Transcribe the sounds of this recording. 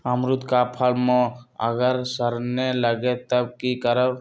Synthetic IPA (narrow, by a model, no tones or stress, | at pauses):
əmɾut̪kapʰəlmõə̰ɡəɾsəɾneləɡet̪əb̚kikəɾə